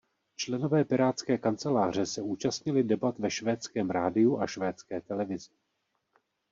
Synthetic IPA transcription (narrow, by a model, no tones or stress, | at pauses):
t͡ʃlɛno̞vɛːpɪɾaːt̪t͡skɛːkant͡sɛlaːr̝ɛsɛuːt͡ʃast̪ɲɪlɪdɛbat̪vɛʃvɛːt͡skɛːmɾaːdɪuʔaʃvɛːt͡skɛːt̪ɛlɛvɪzɪ